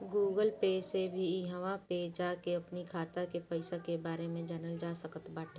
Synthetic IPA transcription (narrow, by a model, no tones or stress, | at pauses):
ɡuːɡəlpeːsebʱiiɦəʋaped͡ʒaːkeɐpnikʰaːt̪akepɐɪsakebaːɾemẽd͡ʒɛnəld͡ʒaːsəkət̪baːʈʰː